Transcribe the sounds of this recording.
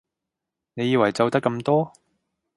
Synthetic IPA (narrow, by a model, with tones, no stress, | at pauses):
ne˨˧jiː˧wɐ˨˩jt͡sɐ˨˧wt̪ɐ˥kːɐ˧mt̪ɔː˥